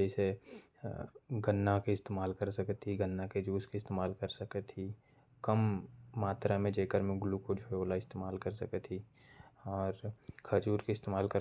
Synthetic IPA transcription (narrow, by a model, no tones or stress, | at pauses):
d͡ʒɛːse | ɡənːakeɪst̪eːmaːlkəɾsɐkt̪ʰːiɡənːaked͡ʒuːskeɪst̪eːmaːlkəɾsəket̪ʰi | kəmːaːt̪ɾamẽd͡ʒeːkəɾmẽɡʊlukod͡ʒʱoeoːlaɪst̪eːmaːlkɐɾsɐket̪ʰi | ɔːɾkʰəd͡ʒuːɾkeɪst̪eːmaːlkəɾ